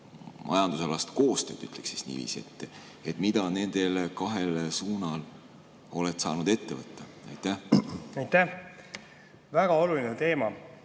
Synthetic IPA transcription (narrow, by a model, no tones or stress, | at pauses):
mʔɑ̰jɑnd̪̥usɑlɑst̪ko̞ːst̪øːt̪yt̪leksi̥snḭːvḭːsiet̪ːˑ | et̪ˑmid̪̥ɑne̞nd̪̥e̞lkɑɦe̞lsuːnɑl | o̞let̪sɑ̰ːnud̪e̞t̪ːe̞vɤt̪ːˑɑ | ɑjt̪ːˑæhɑjt̪æ | væɡ̥ɑo̞lulinɛt̪e̞ːmɑ